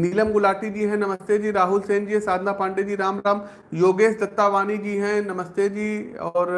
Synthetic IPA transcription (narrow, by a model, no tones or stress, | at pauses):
niːləmɡʊlaːʈid͡ʑiːɦɛ̃nɐməst̪ed͡ʑiːɾaːɦʊlseːnd͡ʑiːɦɛ̃saːd̪ʱnapãːɳɖed͡ʑiːɾaːmɾaːm | joːɡeːsd̪ɐt̪ːaʋaːnid͡ʑiːɦɛ̃nɐməst̪ed͡ʑiːɔːɾ